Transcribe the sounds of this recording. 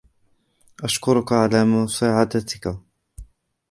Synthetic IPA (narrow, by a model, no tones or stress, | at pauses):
ʔaʃkʊɾʊkaʕalaːmʊsaːʕad̪at̪ɪka